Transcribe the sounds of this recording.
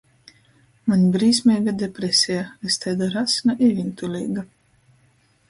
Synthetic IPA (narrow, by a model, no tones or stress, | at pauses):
manʲbɾiːs̬ʲmʲɛːɡad̪ʲepɾesʲɛjaest̪ɛjd̪aɾasʲnaʔivʲint̪ulʲḭːɡa